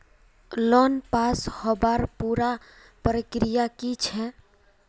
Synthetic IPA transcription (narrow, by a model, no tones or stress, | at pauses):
lɔnpashɔbaɾpuːɾa | pɾəkɾijakit͡ʃʰɛ